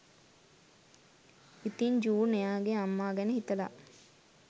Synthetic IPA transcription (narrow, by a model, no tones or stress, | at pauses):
it̪iɲd͡ʒuːnejaːɡeamːaːɡɛnəɦit̪əla